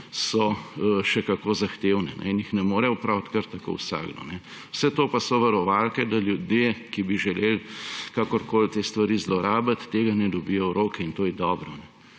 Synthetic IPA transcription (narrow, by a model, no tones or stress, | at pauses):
sɔʃɛkakoːzaxt̪ewnɛnɛ̰injixnɛmoːɾɛɔpɾawt̪kəɾt̪ːako̰ːwsa̰ːɡd̪ɔ̰nɛ | wsɛt̪oːpasɔʋɐɾɔʋalkɛd̪aljud̪jekibiʒɛlelkaːkɔɾkoːlt̪eːst̪ʋaɾiːzlɔɾaːbat̪ːeːɡanɛd̪ɔbijɔɾʔoːkɛint̪oːjɛd̪ɔːbɾɔnɛ